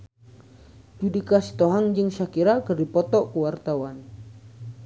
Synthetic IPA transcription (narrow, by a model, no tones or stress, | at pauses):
d͡ʒudikasi̥t̪ɔɦaŋd͡ʒɨŋʃakiɾakərdipɔt̪ɔkəwart̪awan